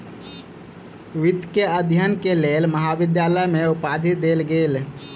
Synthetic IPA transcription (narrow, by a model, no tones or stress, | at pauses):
ʋɪd̪keəd̪ʱjənkeleːlməɦaʋɪd̪jaːləmẽupaːd̪ʱɪt̪̚d̪eːlɡeːl